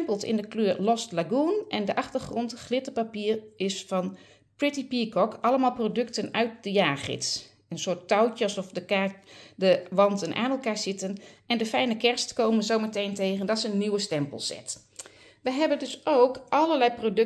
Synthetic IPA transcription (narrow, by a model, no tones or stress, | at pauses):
mpəlˠsɪ̰ndəkløːrlɔstlaɡunʔɛndəʔɑxtərχrɔntχlɪtəpapiːrɪsfɑn | prɪtipikɔkɑləmaːlˠprodøktənœɥt̚dəjaːrχɪ̰ts | ənsʊːtːawtəɑsɔfdəkadəʋɑntənʔa̰ːnɛlˠkaːɹsɪtənɛndəfɛjnəkɛrstkowmənzowmətejntejɣəndɔtsəənːiwəstɛmpə̰lˠsɛ̰t | ʋəjɦɛbəndøsʔowkʔɑlərlɛjprodø